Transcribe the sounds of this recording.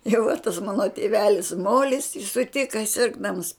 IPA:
jɛʊ ʋɐ tɐs ˈmɑːnoː tʲeːˈʋʲæːlʲɪs ˈmoːlʲɪs ɪ sʊˈtʲɪkɐ ˈsʲɪrɡdɐms

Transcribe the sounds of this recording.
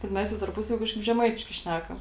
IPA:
bʲɛt ˈmʲɛs jɛʊ tɐrˈpʊsɐʋʲiː ˈkɑːʃkɐɪp ʒʲɛˈmɐɪtʲɪʃkɐɪ ˈʃʲnʲækɐm

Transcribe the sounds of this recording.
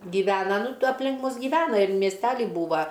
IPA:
ɡʲiːˈʋʲæːnɐ ˈnʊ tuɔ ɐpʲˈlʲɪŋk ˈmʊs ɡʲɪˈʋʲæːnɐ ɪr mʲiɛsʲˈtʲæːlʲɪ ˈbuːʋɐ

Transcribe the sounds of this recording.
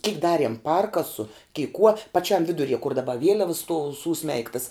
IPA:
kʲɪk ˈdɑːrʲiɛm ˈpɐrkɐsʊ kʲɛɪ kuɔ pɐˈt͡ʃʲɛm ˈʋʲɪdʊˌrʲiɛ kʊr dɐˈbɐ ˈʋʲiɛlʲɛʋɐs stuɔw ˈsuːˌsʲmʲɛɪktɐs

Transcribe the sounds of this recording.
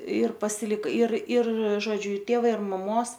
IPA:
ɪr pɐsʲɪˈlʲɪk ɪr ɪr ˈʒoːd͡ʒʲʊ ɪˈtʲeːʋɐ ɪr mɐˈmoːs

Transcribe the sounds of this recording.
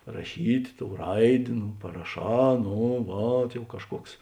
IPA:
rɐˈʃʲiːtʲ ˈtoːʊ ˈrɐɪdʲeː nʊ pɐrɐˈʃɑː ˈnoː ˈʋɐt jɛʊ ˈkɑːʃˌkuɔks

